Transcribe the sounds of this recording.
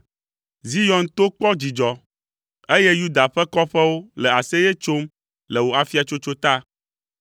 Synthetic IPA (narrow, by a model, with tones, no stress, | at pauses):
zi˦jɔ̃˨nt̪o˦k͡pɔ˦d͡ʑi˨d͡ʒɔ˨ | e˦jɛ˦ju˦d̪a˨ɸɛ˦kɔ˦ɸɛ˦wo˦lɛ˨a˨sɛ˦jɛ˦t͡ʃo˦m | lɛ˨wo˨a˨fi˦a˨t͡ʃo˦t͡ʃo˦t̪a˦